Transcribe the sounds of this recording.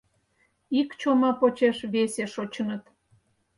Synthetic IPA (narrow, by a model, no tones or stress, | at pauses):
ikt͡ɕomɑpot͡ɕeʃβeseʃot͡ɕənə̆t̪